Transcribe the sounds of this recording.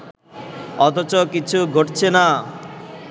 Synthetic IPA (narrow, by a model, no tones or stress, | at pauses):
ɔt̪ɔt͡ɕɔkit͡ɕʰuɡʱoʈt͡ɕʰena